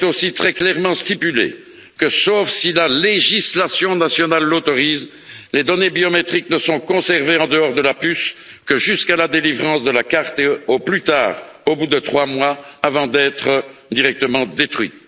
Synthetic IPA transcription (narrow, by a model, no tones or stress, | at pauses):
ɛt̪osit̪χɛklɛʁmɑ̃st̪ipylḛ | kəsofsilaleʒislasjɔ̃nasjɔnalːot̪ɔʁiːz | led̪ɔnebiɔmet̪χiknəsɔ̃kɔ̃sɛʁveɑ̃d̪əɔːʁd̪əlapys | kəʒyskalad̪elivʁɑ̃sd̪əlakaʁt̪eoplyt̪a̰ːʁ | obud̪ət̪χwamwaːvɑ̃d̪ɛt̪χəd̪iʁɛk̚t̪əmɑ̃d̪et̪χɥḭt̪